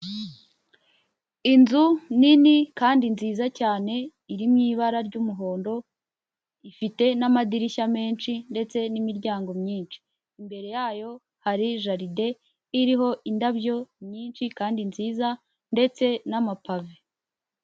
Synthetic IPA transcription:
inzuninikaːndinziːzacaːne̞ | iɾimɲiːβaɾaɾɟumuɦo̞ːndo̞ | ifite̞namadiɾiʃame̞ːnʃinde̞t͡se̞nimiɾɟaːŋɡo̞mɲiːnt͡ʃi̥ː | mbe̞ɾe̞jaːjo̞ | haɾiʒaɾide̞ | iɾiɦo̞ʔindabjo̞mɲiːnt͡ʃikaːndinziːza | nde̞t͡se̞namapave

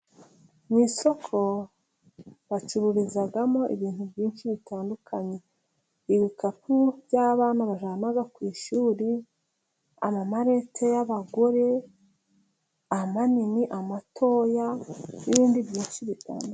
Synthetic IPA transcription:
mwiːso̞kʰo̞ | βat͡ʃuɾuɾizaɡamo̞ʔḭβiːn̥hubɟiːnʃiβitaːndukʰaɲe̞ | iβikapubɟaːβaːnaβaʒanaɡakwiːʃuːɾi | a̰mamaɾe̞tʰejaβaɡo̞ɾe̞ | amaniniʔamatʰo̞ːjaniβiːndibjiːnʃiβita̰ːndu

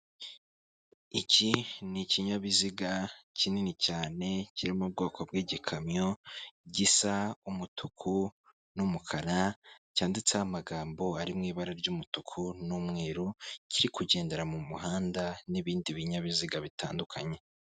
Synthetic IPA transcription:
iciniciɲaβiziɡacininicaːne̞ciɾimub̚ɡo̞ːkʰobɡiːɟikʰamɲo̞ɟisaumutʰukʰu | numukʰaɾacaːndit͡saamaɡaːmbo̞aɾimŋiːβaɾaɾɟumutukʰunumŋeːɾuciɾikuɟe̞ːnde̞ɾamumuɦaːndaniβiːndiβiɲaβiziɡaβitaːndukʰaɲe̞

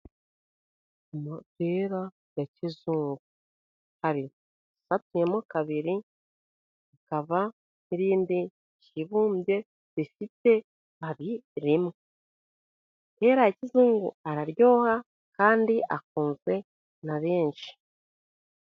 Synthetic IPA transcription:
moteɾa | ɡacizuːŋɡu | haβi | satujemokaβiɾi | ikaβa | niɾiːndi | ciβuːmbje̞ | βifite̞ | βaβiɾimŋe | te̞ːɾaecizuːŋɡṵaɾaɾjo̞ːha | kaːndiʔak̚uːnze̞ | naβe̞ːnʃi̥

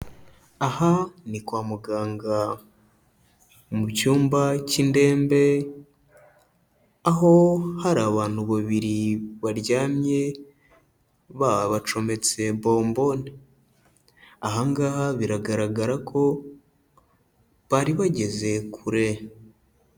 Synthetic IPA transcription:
ahanikwaːmuɡaːŋɡa | mucuːmbacinde̞ːmbe̞ | aɦo̞haɾaːβaːn̥huβaβiɾiβaɾɟaːmɲe̞ | βaβat͡ʃo̞me̞t͡se̞βo̞ːmbo̞ni | aɦaŋɡaːhaβiɾaɡaɾaɡaɾakʰo̞ | βaɾiβaɟe̞ze̞kʰuɾe̞

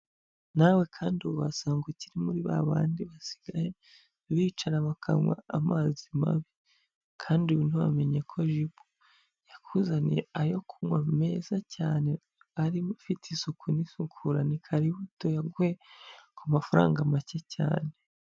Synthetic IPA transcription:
nawe̞kʰaːnduβuβasaːŋɡeciɾimuɾiβa̰βa̰ːndiβasi̥ɡ̥aje̞ | βiːt͡ʃaɾaβakʰa̰ŋwa̰amaːzima̰βi | kʰaːndiβiːnhuβa̰me̞ɲekʰo̞ʒibu | jakʰuzanḭajo̞kʰumwame̞zacaːne̞ | aɾifitʰisukʰunisukʰuɾanikʰaɾiβuto̞jaɡuhekumafaɾa̰ːŋɡamacecʰa̰ːne

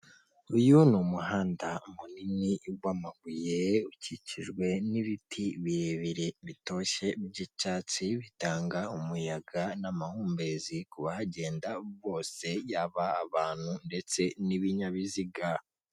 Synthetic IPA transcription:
ujunumuɦaːndamuniniɡwamaɡujeuciciʒɡwe̞niβitʰiβiɾeβiɾeβito̞ʃe̞bɟit͡ʃaːt͡siβitaːŋɡaumujaɡanamahuːmbe̞zikuβahaɟe̞ːndaβo̞ːse̞jaβaːβaːn̥hunde̞t͡se̞niβiɲaβiziɡa

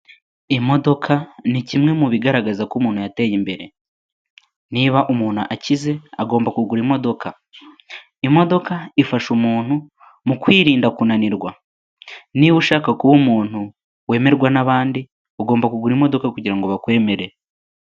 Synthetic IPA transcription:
imo̞do̞kʰanicimŋe̞muβiɡaɾaɡazakumuːn̥hujate̞jimbe̞ɾe̞ | niβaʔumuːn̥huʔacize̞aɡo̞ːmbakuɡuɾimo̞do̞kʰa | imo̞do̞kaifaʃumuːn̥hu | mukwiːɾiːndakunaniɾɡwa | niβuʃaːkakuβumuːn̥hu | we̞ːme̞ɾɡwanaβaːndi | uɡo̞ːmbakuɡuɾimo̞do̞kakuɟiɾaŋɡoβakwe̞ːme̞ɾe̞

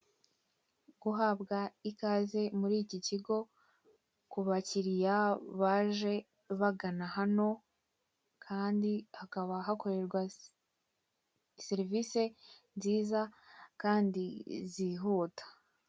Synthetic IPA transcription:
ɡ̥uɦabɡaikaːze̞muɾiːciciɡo̞ | kuβaciɾijaβaːʒe̞ | βaɡanahano̞ | kʰaːndihakaβaɦako̞ɾe̞ɾɡwa | seɾivise̞nziːzakaːndiziɦuːtḁ

